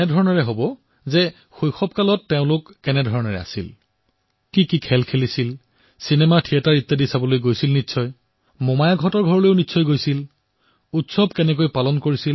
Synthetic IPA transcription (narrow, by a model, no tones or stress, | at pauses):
nɛdʱɔɹɔnɔɹɛɦobɔ | zɛ | xojxɔb̚kalɔtːeʊ̃lʊkːɛnɛdʱɔɹɔnɔɹɛ̰a̰sḭl | kikikʰɛlkʰelisil | sinɛmatʰiataɹitːadisabɔlojɡojsilnitsʰɔj | mɔmajaɡʱɔtɔɹɡʱɔɹɔlojʊnitːsʰɔjɡojsil | utsɔb̚kɛnɛk̬ojpalɔnkoɹisil